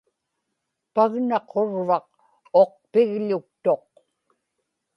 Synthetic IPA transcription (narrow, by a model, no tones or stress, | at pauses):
paɣnɑqʰo̞ɻvɑq̚ | oq̚pɪɣʎʊk̚t̪o̞q̚